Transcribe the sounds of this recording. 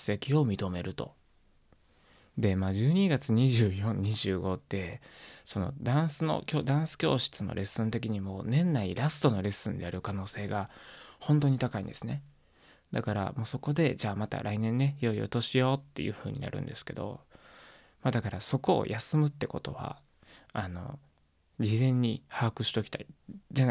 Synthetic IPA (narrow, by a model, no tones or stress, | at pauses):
se̞kʲio̞mʲit̪o̞me̞ɾɯ̟t̪o̞̰ | d̪e̞maːʑɨːɲ̟iɡat͡sɨɲ̟iʑɨːjõ̞ɲɲːiʑɨːɡo̞t̪ːe̞so̞no̞̰d̪ãɰ̃sɨno̞̰kʲo̞ːd̪ãɰ̃sɨ̥kʲo̞ːɕi̥t͡sɨnʔo̰ɾʔe̞sːɨ̃nt̪e̞k̬ʲiɲ̟imo̞ːnẽ̞nːaiɾasɨ̥t̪o̞no̞ɾe̞sɨ̃nd̪ejaɾɯ̟kano̞ːse̞ːɡahõ̞nt̪̬o̞ːɲ̟it̪akaḭ̃nd̪e̞sɨne̞ | d̪akaɾa̰mo̞ːso̞ko̞d̪e̞d͡ʑaːmat̪a̰ɾʔainẽ̞nːe̞jo̞io̰t̪o̞ɕijo̞t̪ːe̞̰jɯ̟̰ːɸɯ̟ːɲ̟ḭna̰ɾɯ̟̰̃nd̪e̞sɨ̥ke̞d̪o̞̰ | mad̪akaɾaso̞ko̞̰ːjʔasɨmɯ̟t̪ːe̞ko̞t̪o̞̰βa̰ | ano̞̰ | d͡ʑizẽ̞ɲ̟ːihaːkɯ̟ɕi̥t̪o̞kʲi̥t̪aid͡ʑana